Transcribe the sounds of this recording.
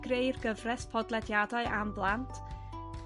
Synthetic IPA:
ɡ̥rejrɡəvrɛspʰɔdlˠɛdjadaɨʔamblˠantʰ

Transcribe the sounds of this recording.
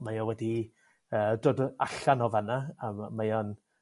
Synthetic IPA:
majɔwɛdi | əːdoːdaɬanɔvanaammajɔn

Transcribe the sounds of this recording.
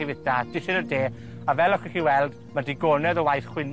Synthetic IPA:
ivɪdad̥ɪʃɪɾədeː | avɛlˠɔχiχiwɛlˠd | madiɡɔnɛðəwajθχwɪn

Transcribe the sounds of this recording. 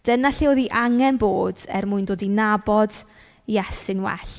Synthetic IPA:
d̥ənaɬioðiʔaŋɛnboːdɛ̰rmʊɨndoːdinabɔd | ijɛsɪnwɛ̰ɬ

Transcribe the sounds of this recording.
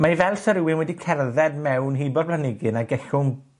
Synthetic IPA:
maivɛlˠsəɾɪwɪnwɛdikʰɛrðɛd̚mɛwnɦibɔblanɪɡɨnaɡɛɬʊm

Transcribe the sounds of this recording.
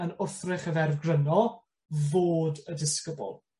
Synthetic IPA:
ənʊrθrɪχəvɛrvɡrənɔ | voːdədɪskəbʊ̰lˠ

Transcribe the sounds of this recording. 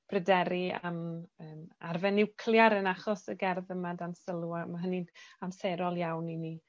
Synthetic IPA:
b̥rədɛɾiaməːmarvɛnɪwkʰlˠjaɾənaχɔsəɡɛrðəmadansəlˠuamaɦəninamseɾɔlˠjawnini

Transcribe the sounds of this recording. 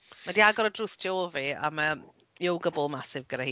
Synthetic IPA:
madiaɡɔɾədruθtʰiovia̰ma | jowɡəbʊlˠmasɪvɡədahiː

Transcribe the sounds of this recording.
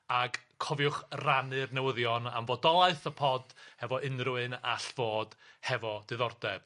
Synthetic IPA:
aɡkʰɔvjʊχranɨrnɛwəðjɔna̰mvɔdɔlˠaɨθəpʰɔdhɛvɔʔɪnrʊɨna̰ɬv̥oːd̥hɛvɔdɨðɔrdɛb̥

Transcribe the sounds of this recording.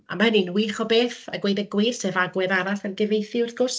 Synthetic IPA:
a̰manɪnwiːχɔbeːθaɡwejdəɡwiːsevaɡwɛðaɾasarɡɪvejθɪʊrθɡ̥ʊs

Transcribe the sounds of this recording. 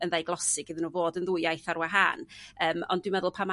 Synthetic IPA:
ənðejɡlˠɔsɪɡɪðnuːvoːdənðʊjajθaɾwaɦa̰ːnəːmɔ̰nd̥wɪmɛðʊlˠpʰama

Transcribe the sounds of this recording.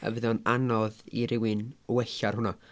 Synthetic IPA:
ə̰vɨðɔnanɔðiɾɪwɪnwɛɬarɦʊnɔ

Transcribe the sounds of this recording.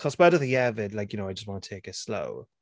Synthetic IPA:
kʰɔswɛdəðəɛvɪdlaɪkjənoʊaɪd͡ʒʌst̚wɒ̃nətʰeɪkɪslo̰ʊ

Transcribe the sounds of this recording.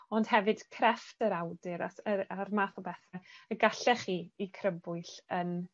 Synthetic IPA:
ɔnd̥hɛvɨd̥kʰrɛftəɾawdɨɾaəarmaːθɔbɛθaəɡaɬɛχiːikʰrəbʊɨɬən

